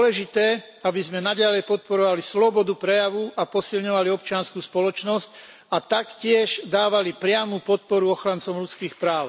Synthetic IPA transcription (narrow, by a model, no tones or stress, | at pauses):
ɔlɛʒit̪ɛː | abizmɛnaɟalɛjpɔt̪̚pɔɾɔʋalislɔbɔd̪upɾɛjaʋuʔapɔsilɲɔʋaliɔpt͡ʃɪanskuːspɔlɔt͡ʃnɔsc | at̪akcɪɛʒd̪aːʋalipɾɪamupɔt̪̚pɔɾuɔxɾant͡sɔmʎut͡skiːxpɾaːʊ